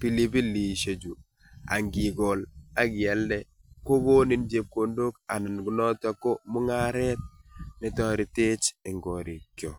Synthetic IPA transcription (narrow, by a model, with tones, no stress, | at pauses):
pi˨li˦bi˦li˨ʃe˨d͡ʒu˨ | a̰˨ŋɡi˨ɡɔ˨la˦ɡjɛ˨ldɛ˦ | ko˦bo˦ni˦nd͡ʒe˦p̚ko˨ndo˦ka˨na˨nɡu˨nɔ˦ta˦ko˦mʊ˦ŋa˦ɾɛ˦t̚nɪ˦tɔ˦ɾi˨te˦t͡ʃɪ˨ŋɡo˨ɾi˨kjo̰˨